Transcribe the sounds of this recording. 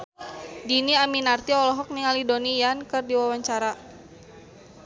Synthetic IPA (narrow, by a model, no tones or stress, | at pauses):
diniaminart̪iɔlɔɦɔk̚niŋalidonijankɨrdiwawaɲt͡ʃaɾa